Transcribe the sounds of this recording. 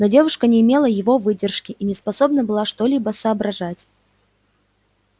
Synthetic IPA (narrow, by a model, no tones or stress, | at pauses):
nodʲe̞vʊʂkənʲɪːmʲe̞lˠəjɪvo̞vɨdʲɪrʂkʲɪʔinʲɪspɐsobnəbɨlˠaʂt̪olʲibəsəːbɾɐʐatʲ